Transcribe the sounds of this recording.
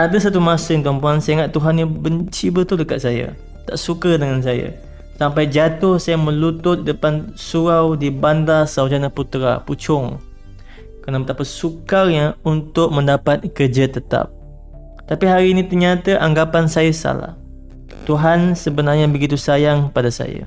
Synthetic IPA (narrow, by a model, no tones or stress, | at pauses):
ʔadas̬at̪umasəɪŋt̪uampuansəŋaʔt̪uɦanɲabəɲt͡ʃibət̪ʊldəkaʔ̪saja̰ | t̪a̰ʔsukədəŋans̬aja̰ | sampajd͡ʒat̪ʊhsajaŋmə̃lut̪ʊt̪̚dəpansuɾawdibandasawd͡ʒanaput̪ɾa̰put͡ʃʊŋ | kəənabət̪apasukarɲaunt̪ʊk̚mə̃ndapat̪̚kərd͡ʒat̪ət̪a̰p̚ | t̪apiɦaɾiːnĩt̪ərɲat̪aʔaŋɡapansajasa̰la̰h | t̪uɦansəbənarɲabəɡit̪usajaŋpadasa̰ja̰